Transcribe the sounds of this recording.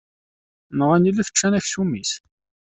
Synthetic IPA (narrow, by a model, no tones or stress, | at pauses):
nəʁænilːæθə̥t͡ʃːænæçsumis